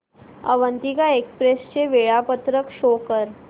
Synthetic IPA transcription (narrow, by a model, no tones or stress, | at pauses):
ə̰ʋənt̪ikaekspɾest͡ʃeʋeɭapət̪ɾəkʃoːkəɾ